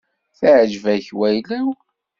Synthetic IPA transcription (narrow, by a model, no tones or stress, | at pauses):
θəʕʒvæçwæjlæw